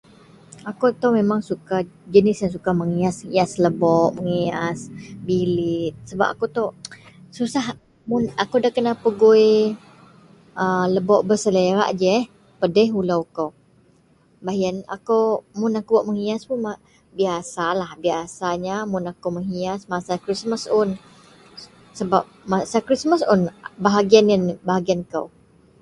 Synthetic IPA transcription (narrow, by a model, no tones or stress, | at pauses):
akot̪owmemaŋsukad͡ʒənɪsjaŋs̬ukaməŋiasŋiasləbɔʔməŋiasbilɪt̪̚səba̰p̚akot̪owsusah | mʊnakowdahkənapəɡoj | ələbɔʔbəsəleɾa̰ʔd͡ʒɛ | pədɛɦulawkaw | baɦjana̰kawmʊnakubaʔməŋiaspunma | biasalahbiasaɲamʊnakowməŋiasmasakɾisməsʊn | səbap̚masakɾisməsʊnbaɦaɡianjanbaɦaɡiankaw